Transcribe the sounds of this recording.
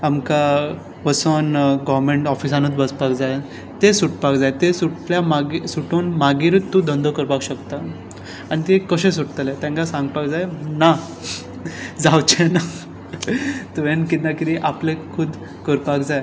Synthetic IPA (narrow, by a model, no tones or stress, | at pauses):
amka | pəsənɡɔʋɾmẽɳʈɔfisanut͡s̪bəspakd͡zaj | t̪esuʈpakd͡zajt̪esuʈljamaɡisuʈonmaɡiɾut̪t̪ːũd̪ʱənd̪ʱokəɾpakɕəkt̪a | añit̪ekəɕẽs̬uʈt̪əlet̪jãŋkasãŋɡpakd͡zajna | d͡zawt͡ɕʰena | t̪əʋẽnkit̪nakit̪iʔaplekʰuːd̪ | kəɾpakd͡zaj